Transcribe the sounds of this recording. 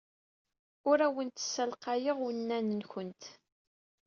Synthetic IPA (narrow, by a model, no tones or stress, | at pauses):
ʊɾæwənt̪ə̥sːælqɑjəʁwnːænənçənt̪